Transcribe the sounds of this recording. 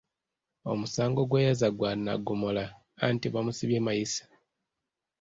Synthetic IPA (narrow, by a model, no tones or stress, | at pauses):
o̞musaːŋɡoɡwejazaɡwana̰ɡomola̰ː | ntiβamusiβjeːmajisḁ